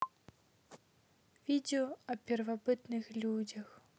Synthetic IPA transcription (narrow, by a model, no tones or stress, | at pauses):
vʲid̪ɛjɔɐpʲɛrvabɨt̪nɨxlʲud͡zʲɐx